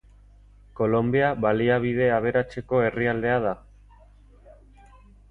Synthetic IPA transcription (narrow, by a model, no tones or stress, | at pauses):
ko̞lo̞mbiaβaliaβ̞ið̞e̞aβ̞e̞ɾat͡se̞ko̞e̞riald̪e̞að̞a